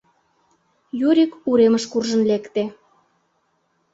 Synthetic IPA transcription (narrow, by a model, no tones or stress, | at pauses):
juɾʲikuɾeməʃkurʒə̆nlekt̪e